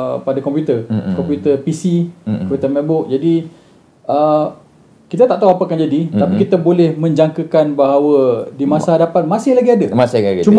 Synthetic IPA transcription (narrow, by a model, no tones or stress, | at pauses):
padakɔmpjut̪ərkɔmpjut̪ərpisikɔput̪əmɛbʊk̚d͡ʒadi | ə | kit̪at̪aʔt̪auapaakaŋd͡ʒadit̪apikit̪abolɛhmə̃ɲd͡ʒaŋkəkanbaɦawədimãsaɦadapat̪̚mãsɪhlaɡiadamasɪaɡit͡ʃum